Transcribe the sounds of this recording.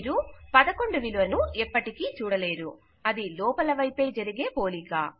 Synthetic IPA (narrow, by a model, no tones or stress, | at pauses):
ɾupɐd̪ɐko̞ɳɖuʋilʋɐnuɛpːɐʈikiːt͡ʃuːɽɐle̞ːɾu | ɐd̪ilɔːpɐlɐʋɐjpe̞ːd͡ʒɐɾiɡe̞ːpo̞ːlika̰ː